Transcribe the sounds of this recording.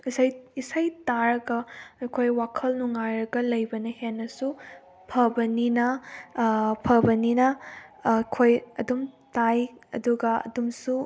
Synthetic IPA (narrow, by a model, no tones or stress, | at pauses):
isajisajtaɾɐɡɐɐjkʰojwakʰɐlnuŋajɾɐɡɐlɐjbɐnɐhenːɐsu | pʰɐbɐninɐ | pʰɐbɐninɐ | kʰojɐdumtajɐ̰duɡɐɐ̰dumsu